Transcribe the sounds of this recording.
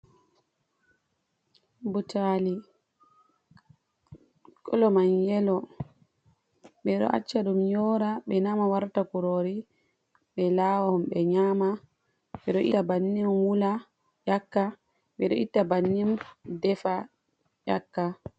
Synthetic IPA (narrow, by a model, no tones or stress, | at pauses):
butali | kʰɔlɔmaɲjɛlɔ | ɓɛɗɔ̰ʔa̰t͡ʃːaɗumjɔːɾaɓɛnamawaɾtakuɾoːɾi | ɓɛlawɔmɓɛɲama | ɓɛɗɔʔitabanːimwula | jakːa | ɓɛɗɔʔitːabanːimdɛfa | jakːa